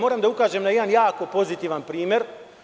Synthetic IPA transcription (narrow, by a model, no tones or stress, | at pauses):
mo̞ːɾamd̪aukaːʒemnajed̪anjaːko̞po̞zit̪iːʋanpɾiːmje̞ɾ